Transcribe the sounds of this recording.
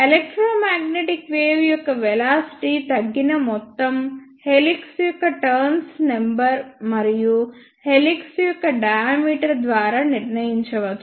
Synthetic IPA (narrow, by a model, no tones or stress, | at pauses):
elek̚ʈɾoːmaːɡneʈikʋeːʋjɔkːɐʋelaːsi̥ʈit̪ɐɡːinɐmɔt̪ːɐmheliksjɔkːɐʈɐɾnsnembɐɾmɐɾiju | heliksujɔkːɐɖɐjaːmiːʈɐɾd̪ʋaːɾaniɾnɐjiɲt͡ʃɐʋɐd̪u